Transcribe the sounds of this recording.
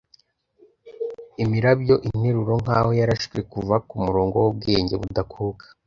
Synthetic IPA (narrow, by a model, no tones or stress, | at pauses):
imiɾabjo̞ʔin̥eɾuɾo̞ŋ̥aːho̞jaɾaʃkekuvakumuɾo̞ːŋɡo̞wob̚ɡeːɲɟeβudakʰukḁ